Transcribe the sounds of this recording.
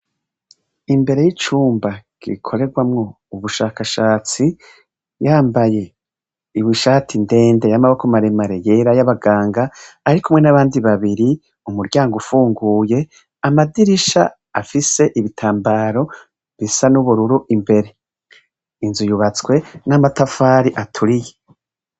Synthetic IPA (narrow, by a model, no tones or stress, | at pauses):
imbe̞ɾe̞jit͡ʃuːmbaɡ̥ḭikʰo̞ɾe̞ɡwamŋo̞ | uβuʃaːkaʃaːt͡si | jaːmbaje̞ | iβwiʃaːtʰinde̞ːnde̞jamaβwakomaɾemaɾe̞je̞ɾajaβaɡaːŋɡaːɾikumŋe̞naβaːndiβaβiɾi | umuɾɟaːŋɡufuːŋɡuːje̞ | amadiɾiʃa̰ | afise̞ʔiβitʰaːmbaɾo̞ | βisanuβuɾuɾuʔimbe̞ɾe̞ | inzujuβat͡skwe̞namatafaːɾiʔatʰuɾije